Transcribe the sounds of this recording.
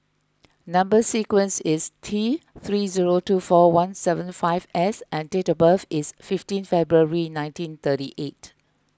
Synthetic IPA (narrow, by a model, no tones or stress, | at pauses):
nãmbəsikwə̃nsɪstʰiθɹiziɹotufɔwãnsɛvə̃nfaɪvɛsʔɛ̃ntetəbəfɪsfɪftĩnfɛbɹuəɹinãɪ̃ntĩnt̪ətiʔet